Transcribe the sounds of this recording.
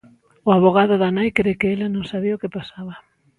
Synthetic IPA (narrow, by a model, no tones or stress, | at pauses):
ʊaβ̞oɣ̞aðʊðanajkɾekɪelanõŋsaβiʊkɪpasaβɐ